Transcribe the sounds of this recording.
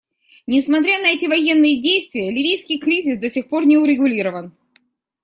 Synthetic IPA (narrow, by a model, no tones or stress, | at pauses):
nʲɪsmɐt̪̬ɾʲanəɛtʲɪvɐjenːɨjədʲejst̪vʲɪjəlʲɪvʲijskʲɪjkɾʲizʲɪsd̪əsʲɪxpo̞rnʲɪʊɾʲɪɡʊlʲiɾəvən